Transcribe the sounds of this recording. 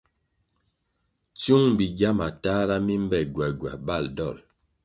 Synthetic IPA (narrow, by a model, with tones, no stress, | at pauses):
t͡su˦ŋbi˨ɡja˦ma˨ta˦ɾa˦mi˦m˦bɛ˨ɡwɛ˨ɡwa̰˨ba˦˨ldɔ˦˨l